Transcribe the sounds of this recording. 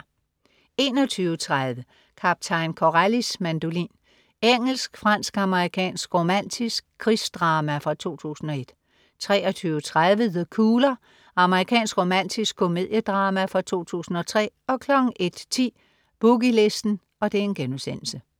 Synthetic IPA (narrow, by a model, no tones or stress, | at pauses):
e̝ːnɒ̽t͡sʰyːʊət͡sʰʁað̞ˠʋə | kʰɑb̥̚t͡sʰɑ̈ɪnkʰɒʁælismænd̥o̝lḭːn | eŋ̰l̩sɡ̥fʁɑn̰sɡ̥ɑ̈məʁikʰɛ̰ːnsɡ̥ʁo̝mæn̰d̥ʰisɡ̥̚kʰːʁisd̥ʁɑ̈ːmæfʁɑ̈t͡sʰo̝̰ːt͡sʰṵːsn̩ɒ̽e̝d̥ | t͡sʰʁɛːɒt͡sʰyːʊət͡sʰʁaðˠʋəðəkʰuːlɐ | ɑ̈məʁikʰɛ̰ːnsɡ̥ʁo̝mæn̰d̥ʰisɡ̥ʰo̝me̝ð̞̰ˠjəd̥ʁɑ̈ːmæfʁɑ̈t͡sʰo̝̰ːt͡sʰṵːsn̩ɒ̽t͡sʰʁɛ̰ːɒ̽kʰlɒ̽ɡ̥ŋ̩ʔe̝d̥t͡sʰḭː | b̥uɡ̥ile̝sd̥n̩ | ɒ̽d̥ee̝nɡ̥enusen̰l̩sə